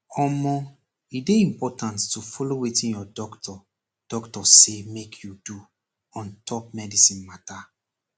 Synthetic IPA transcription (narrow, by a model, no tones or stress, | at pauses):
ɔmɔ | ideĩmpɔtãnttufɔlowetĩnjɔdɔktʰɔ | d̥ɔktɔsemekʰjudu | ɔ̃ntʰɔp̚mɛdisĩnmata